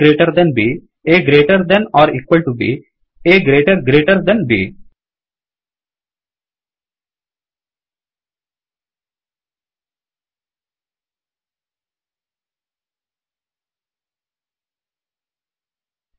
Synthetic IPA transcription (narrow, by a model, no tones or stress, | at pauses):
ɾeːʈəɾd̪ɛ̃nbi | eɡɾeːʈəɾd̪ɛ̃nɔːɾḭːkwəlʈubḭ | eːɡɾeːʈəɾɡɾeːʈəɾd̪ɛ̃nbḭː